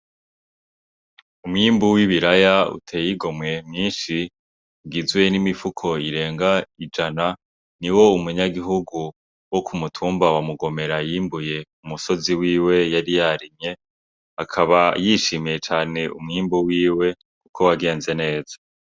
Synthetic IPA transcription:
umŋiːmbuwiβiɾajaṵtʰe̞ːjiɡo̞mŋe̞mɲiːnʃi | ɡizwe̞nimifukʰo̞iɾe̞ːŋɡaid͡ʒana | niwo̞umuɲaɡiɦuɡu | wokʰumutʰuːmbawamuɡo̞me̞ɾajiːmbuje̞umuso̞ziwiːwe̞jaɾijaɾimɲe̞ | akʰaβajiʃimijet͡ʃaːne̞ʔumŋiːmbuwiːwe̞ | kukʰo̞waɡe̞ːnze̞ne̞ːz̥ḁ

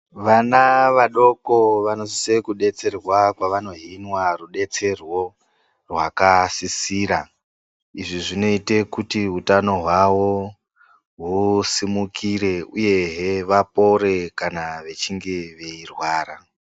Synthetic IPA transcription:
ʋanaʋaɗo̞koʋano̞sise̞kuɗe̞t͡se̞rwakwaʋano̞ɦinwaruɗe̞t͡se̞rwo̞ | rwakasisiːɾa | iʐiʐino̞ite̞kutiɦutano̞ɦwawo | ɦusimukʰiɾe̞uje̞ɦeʋapo̞ɾe̞kanaʋe̞t͡ʃiŋɡe̞ʋe̞irwaːɾa

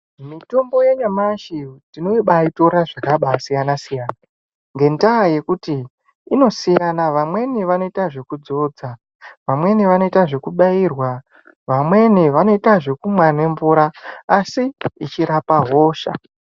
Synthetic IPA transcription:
mito̞mbo̞je̞ɲamaʃitinoiɓaito̞ɾaʐakaɓaːsijanasijaːna | ŋɡe̞ndaje̞kutiː | no̞sijanaʋamwe̞niʋano̞itaʐe̞kud͡zo̞d͡za | ʋamwe̞niʋano̞itaʐe̞kuɓairwa | ʋamwe̞niʋano̞itaʐekumwane̞ɱvuɾaːsiit͡ʃiɾapaɦoːʃa̰

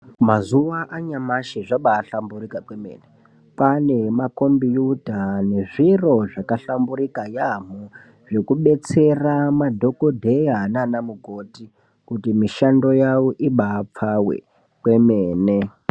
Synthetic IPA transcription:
mazuʋaʔaɲamaʃiʐaɓaːɬamburikakwemḛne | pane̞mako̞mbijudʱane̞ʐiro̞ʐakaɬambuɾikajam̤u | ʐe̞kuɓe̞t͡se̞ramadʱo̞ko̞dʱe̞jananamuɡʱoti | kutimiʃando̞jawoʔiɓaːp͡fawḛ | kwe̞meːne

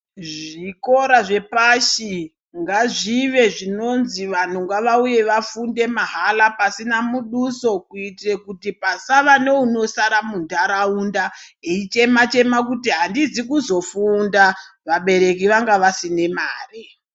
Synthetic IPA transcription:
ʐʐiko̞ɾaʐe̞paʃi | ŋɡaʐiʋe̞ʐino̞nziʋan̤uŋɡaʋauje̞ʋafunde̞maɦalapasinamuɗuso̞kuitirekutipasaʋane̞uno̞saɾamundaɾaundaeit͡ʃe̞mat͡ʃe̞makutiɦandizikuzo̞fundaʋaɓe̞ɾe̞k̬iʋaŋɡaʋasine̞maːre

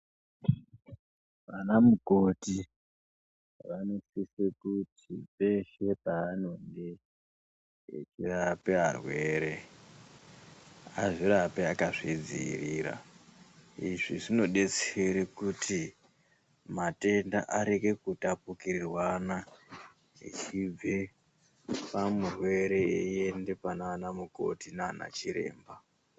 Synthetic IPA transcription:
ʋanamukoti | ʋanosisekutipe̞ʃe̞paːno̞nde | t͡ʃirapearwe̞ːɾe | aʐiɾapeakaʐid͡zḭḭriːɾa̰ | iʐiʐino̞ɗe̞t͡seɾekutʰi | mate̞nda̰ʔaɾe̞ke̞kutapukirirwana | ḭt͡ʃib͡ve̞ | pamurwe̞ɾe̞ejende̞pananamuko̞̰tinana̰t͡ʃiɾe̞̰ːmba

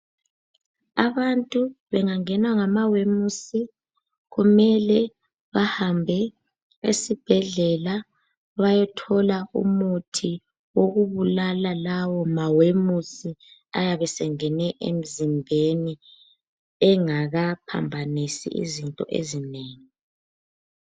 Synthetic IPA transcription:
aβantʼuβɛŋaŋɛnwaŋamawemusi | ɣumɛlɛ | βahambʱɛ | esib̥ʱɛɮɛla | βajɛtʰɔlaṵmutʰi | woɣuβulalalawɔmawemusi | a̰jaβɛsɛŋɛnɛʔḛm̩zimbʱeni | ɛŋaɣapʰa̰mbʱanisḭʔḭzintʼɔ̰ʔḛzineːŋi

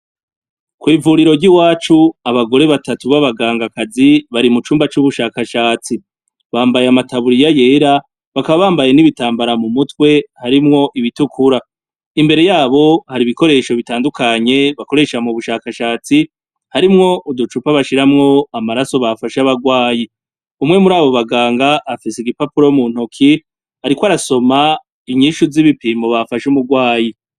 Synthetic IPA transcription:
kwiːvuːɾiɾo̞ɾɟiwaːt͡ʃuaβaɡo̞ɾe̞βatatuβaβaɡaːŋɡakaziβaɾimut͡ʃuːmbat͡ʃuβuʃaːkaʃaːt͡si | βaːmbajeamatʰaβuɾijaje̞ɾa | βakaβaβaːmbaje̞niβitaːmbaɾamumutwe̞haɾimŋo̞ʔiβitukʰuɾa | imbe̞ɾe̞jaːβo̞haɾiβiko̞ɾe̞ʃo̞βitaːndukʰaɲe̞βako̞ɾe̞ʃamuβuʃaːkaʃaːt͡si | haɾimŋo̞ʔudut͡ʃupaβaʃiɾamŋo̞amaɾaso̞βafaʃaβaɡwaːji | umŋe̞muɾaːβo̞βaɡaːŋɡaːfisiɡipapuɾomuːn̥okʰi | haɾikwaɾaso̞ma | iɲiːʃuziβipimoβafaʃumuɡwaːji

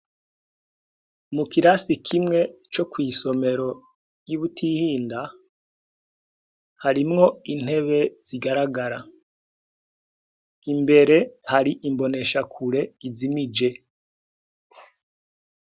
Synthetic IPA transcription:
mukiɾasikʰimŋe̞t͡ʃo̞kwiːso̞me̞ɾo̞ | jiβutʰihiːnda | haɾimŋo̞in̥he̞βe̞z̥iɡaɾaɡaɾa | imbe̞ɾe̞haɾiʔimbo̞ne̞ʃakʰuɾe̞izimid͡ʒe̞

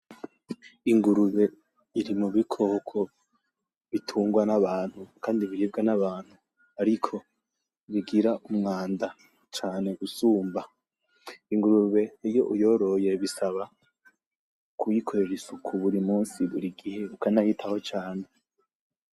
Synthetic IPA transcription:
iŋɡuɾuβe̞ | iɾimuβikʰo̞kʰo | βitʰuːŋɡwanaβaːnhukaːndiβiɾiːb̚ɡanaβaːn̥hu | aɾikʰo̞ | βiɡiɾaʔumŋaːnda | t͡ʃaːne̞usuːmba | iŋɡuɾuβe̞ijo̞ʔujo̞ɾo̞je̞βisaβa | kʰujikʰoɾeɾisukʰuβuɾimuːnsiβuɾiɡihe̞βukanahitʰaho̞t͡ʃaːne

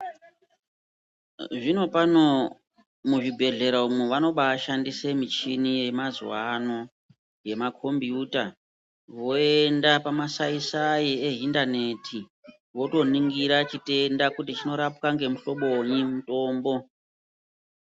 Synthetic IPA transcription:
ʐino̞pano̞ | muʐibʱe̞ɮe̞ɾaumuʋano̞ɓaːʃandise̞mit͡ʃinije̞mazṵwano̞ | je̞makʰo̞mbijuta | ʋo̞endapamasaisajieɦindane̞tʰi | ʋo̞to̞niŋɡiɾat͡ʃite̞ndakutit͡ʃino̞ɾap̚kaŋɡe̞muɬo̞ɓo̞ɲimuto̞ːmbo̞

